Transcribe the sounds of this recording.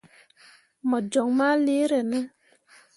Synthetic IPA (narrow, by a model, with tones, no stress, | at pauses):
mɔ˨d͡ʒɔ˨ŋma˦le˦ɾɛ˨nə˦